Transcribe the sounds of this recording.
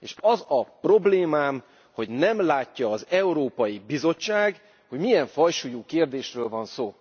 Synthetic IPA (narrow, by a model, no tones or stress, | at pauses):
eːʃɒzɒpro̞bleːmaːm | ho̞ɟnɛmlaːcːɒːzɛuɾoːpɒjibizo̞t͡ʃːaːɡ | ho̞ɟmijɛɱfɒjʃujuːkeːrd̪eːʃrøːlvɒnsoː